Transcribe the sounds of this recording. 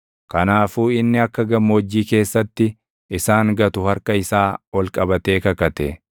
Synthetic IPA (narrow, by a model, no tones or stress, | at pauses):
kɐnaːfuːɪnːɪɐkːɐɡɐmːoːd͡ʒːiːke̞ːsːɐt̪ːɪ | ɪsaːŋɡɐt̪ʊhɐɾkɐɪsaːwɔlkʼɐbɐt̪e̞ːkɐkɐt̪ɛ̰